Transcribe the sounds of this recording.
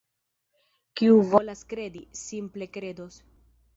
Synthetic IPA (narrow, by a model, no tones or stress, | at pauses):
kiuvo̞laskɾe̞disimple̞kɾe̞do̞s